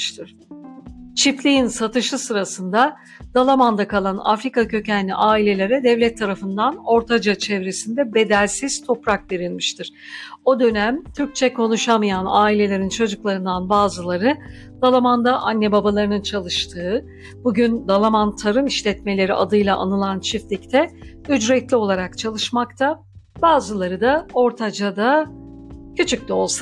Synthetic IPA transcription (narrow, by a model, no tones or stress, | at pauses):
t̪ʰɯɾ̥ | t͡ʃʰiplʲijinsat̪ʰɯʃɯsɯɾasɯnd̪a | d̪̥alˠamand̪akʰalˠana̰fɾikacʰø̞cænʲḭʔaːilʲe̞lʲe̞ɾɛd̪ɛvlʲɛt̪ʰːaɾafɯnd̪ano̞ɾt̪ʰad͡ʒat͡ʃʰɛvɾesind̪ɛbe̞d̪ælʲsiz̥t̪ʰo̞pɾakve̞ɾilʲmiʃt̪ʰiɾ̥ | o̞d̪ø̞næmt̪ʰyɾc̚t͡ʃʰɛkʰo̞nuʃamɯjanaːilʲe̞lʲe̞ɾint͡ʃʰo̞d͡ʒuklˠaɾɯnd̪anbaːzɯlˠaɾɯ | d̪alˠamand̪aʔanːɛbabalˠaɾɯnɯnt͡ʃʰalˠɯʃt̪ʰɯː | buɟynd̪alˠamant̪ʰaɾɯmiʃlʲɛt̪me̞lʲe̞ɾiʔad̪ɯjlˠaʔanɯlˠant͡ʃʰift̪lʲict̪ʰɛ | yd͡ʒɾɛt̪lʲio̞lˠaɾakt͡ʃʰalˠɯʃmakt̪ʰa | baːzɯlˠaɾɯd̪ao̞ɾt̪ʰad͡ʒad̪a | cʰyt͡ʃʰyc̚d̪ɛo̞lˠsa